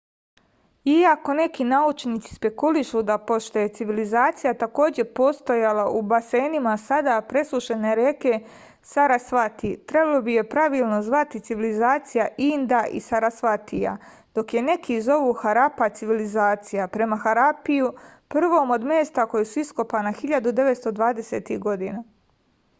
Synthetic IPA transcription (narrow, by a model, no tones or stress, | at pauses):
iako̞ne̞kinaut͡ʃniːt̪si̥spe̞kuliʃud̪apoʃt̪o̞je̞t̪siʋilizaːt̪sijat̪ako̞ːd͡ʑe̞po̞ːst̪ojalaʔubase̞ːnimasad̪apɾe̞suʃene̞ɾeke̞ | saɾasʋat̪it̪ɾe̞balobije̞pɾaʋiːlˠno̞zʋat̪it̪siʋilizaːt̪sijaʔind̪aʔḭsaɾasʋat̪ija̰ | d̪̥o̞kje̞ne̞kʰizo̞ʋuxaɾapat̪siʋilizaːt̪sijapɾe̞maxaɾapijupr̩ʋo̞ːmo̞d̪meːst̪ako̞jesuisko̞paːnaxiʎad̪ud̪e̞ʋe̞t̪st̪od̪ʋaːd̪eseːt̪ihɡo̞d̪ina